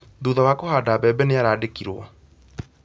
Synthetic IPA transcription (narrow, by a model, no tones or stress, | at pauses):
ðuːðawaːkohaːdaːbɛːbɛneaɾaːdekiɾwɔ